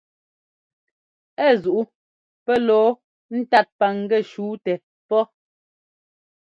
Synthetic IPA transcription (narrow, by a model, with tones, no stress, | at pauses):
ɛ˦˨zu˨ʔu˦ | pɛ˦lɔː˨˦ | n̩˦ta˦˨t̚pa˨ŋ̩˨ɡɛ˦˨ʃuː˨˦tɛ˨ | pɔ˦